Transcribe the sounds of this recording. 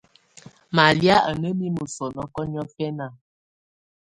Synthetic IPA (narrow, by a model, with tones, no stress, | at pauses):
ma˨lja˦ʔə˨nə˦mi˦mə˨sɔ˨nɔ˦kɔ˦ɲ˦ɔ˦fɛ˦na˦˨